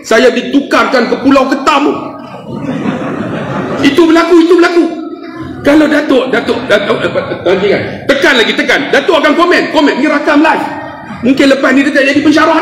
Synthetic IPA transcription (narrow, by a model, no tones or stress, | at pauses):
sajadit̪ukarkankəpulawkət̪amu | it̪ubəlakuit̪ubəlaku | kalawdat̪oʔdat̪oʔat̪ankiŋa̰nt̪əkanlaɡit̪əkandat̪oʔakankomɛ̃nkɔmɛ̃nniɾakaməlai | muŋkɪnləpasnit̪əkaʔd͡ʒadipənʃaɾaɦ